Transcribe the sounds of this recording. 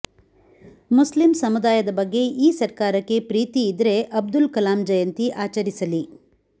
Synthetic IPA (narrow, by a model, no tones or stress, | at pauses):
muslimsɐmud̪aːjɐd̪ɐbɐɡːe̞ʔiːsɐɾkaːɾɐkːe̞pɾiːt̪iːd̪ɾe̞ʔɐb̚d̪ulkɐlaːmd͡ʒɐjɐnt̪iʔaːt͡ʃɐɾisɐli